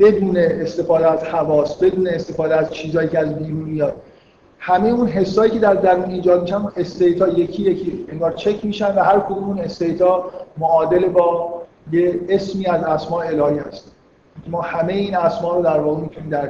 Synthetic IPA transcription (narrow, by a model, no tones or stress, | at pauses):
b̥e̞d̪uːneːst̪e̞fɒːd̪eæz̥hævɒːst̪be̞d̪uːne̞ːst̪e̞fɒːd̪eæz̥t͡ʃʰiːzɒːjiːcʰeæzbiːɾuːnmijɒːd̪̥̚ | hæmejeuːnɦe̞sːɒːjiːcʰe̞d̪æɾd̪æɾuːniːd͡ʒɒːd̪̚miːʃænuʔe̞st̪ejt̪ʰɒːjecʰiːjecʰieŋɡɒːɾt͡ʃʰe̞cʰmiːʃænvæɦæɾkʰod̪umune̞st̪ejt̪ʰɒːmoɒːd̪elebɒː | jeesmiːæzæsmɒːeelɒːhiːhæ̰st̪ʰ | emɒːhæme̞jeiːnæsmɒːɾod̪æɾvɒːɣemit̪ʰuniːmd̪æ